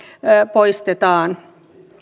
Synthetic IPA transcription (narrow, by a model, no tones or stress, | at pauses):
poist̪et̪ɑːn